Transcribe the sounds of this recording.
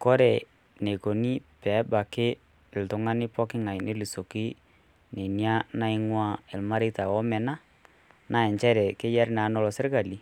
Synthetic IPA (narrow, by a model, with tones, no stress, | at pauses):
kɔ˦ɾɛ˨ | ne˨ko˨ni˦pɛ˨˦ba˨kɪ˦ | ɪ˨ltʊ˨˦ŋa˦nɪ˦pɔ˦kɪ˦ŋa˨jne˦li˨so˨ki˦ | ne˨nja˦na˦ɪ˦ŋwa˦ɪ˨lma˦ɾɪ˦ta˨wɔ˦mɛ˨na˦ | na˦˨ɛ˨ɲt͡ʃɛ˦ɾɛ˨kɪ˦jɛ˦ɾna˨˦nɔ˦lɔ˨sɪ˦ɾka˨li˨